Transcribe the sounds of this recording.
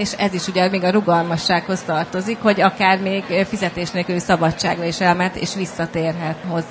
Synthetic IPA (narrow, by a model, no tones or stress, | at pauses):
eʃɛziʃuɟɛmeːɡɒɾuɡɒlmɒʃːaːkho̞st̪ɒrt̪o̞zikho̞ɟɒkaːrmeːɡfizɛt̪eːʃneːkøsɒbɒt͡ʃːa̰ːɡrɒiʃɛlmɛnt̪ːḛːʃʋisːɒt̪eːrɦɛt̪ho̞z